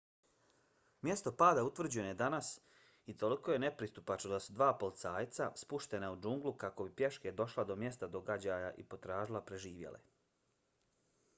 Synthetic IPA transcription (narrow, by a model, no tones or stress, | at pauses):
mje̞st̪o̞paːd̪aut̪ʋvr̩d͡ʑuejenoje̞d̪anas | it̪o̞liko̞je̞ne̞pɾist̪upat͡ʃod̪asud̪ʋaːpo̞lt̪saːjt̪saspuʃt̪e̞naud͡ʒuŋɡlukako̞bipje̞ʃke̞d̪o̞ʃlad̪o̞mje̞st̪ad̪o̞ɡad͡ʑajaʔipo̞t̪ɾaːʒilˠapɾe̞ʒiːʋjḛlḛ